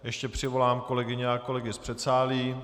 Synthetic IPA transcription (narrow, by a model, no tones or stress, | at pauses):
jɛʃcɛpr̝̥ɪvo̞laːmko̞lɛɡɪɲɛako̞lɛɡɪspr̥ɛt̪saːliː